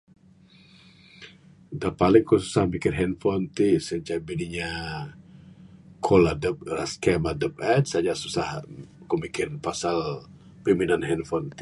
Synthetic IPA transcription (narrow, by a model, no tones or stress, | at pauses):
dapalɪŋkɔsu̥sahmikɪrɦɛnfɔnt̪isəd͡ʒabidiɲa | kʰoladəp̚raskɛmadəp̚ɛt̪̚sad͡ʒasusahkomikɪnpasal | piminanɦɛnfɔnt̪i